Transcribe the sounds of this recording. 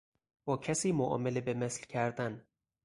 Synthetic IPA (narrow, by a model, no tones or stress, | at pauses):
b̥ɒːcʰæsiːmoʔɒ̰ːmelebemeslcʰæɾd̪æn